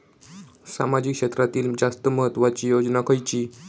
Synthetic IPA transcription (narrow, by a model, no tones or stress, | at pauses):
sa̰mad͡ʑikʂet̪ɾat̪iːld͡zast̪əməɦət̪ːʋat͡ɕiːjod͡ʑnakʰəjt͡ɕiː